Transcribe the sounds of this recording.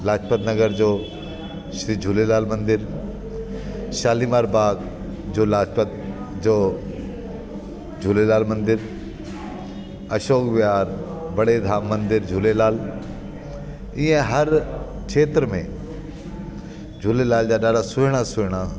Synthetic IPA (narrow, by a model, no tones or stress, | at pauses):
laːd͡ʒpət̪nɐɡəɾd͡ʒoː | ʃɾiːd͡ʒʱulelaːlmɐ̃nd̪ɪɾ | ʃaːlimaːɾbaːk | d͡ʒoːlaːd͡ʒpət̪̚ | d͡ʒoː | d͡ʒʱulelaːlmɐ̃nd̪ɪɾ | ɐʃoːkʋɪaːɾ | bɐɽed̪ʱaːmːɐ̃nd̪ɪɾd͡ʒʱulelaːl | iẽɦɐɾ | t͡ʃʰeːt̪ɾəmḛ̃ | d͡ʒʱulelaːld͡ʒaːɗaːɖasʊɦɪɽ̃asʊɦɪɽ̃aː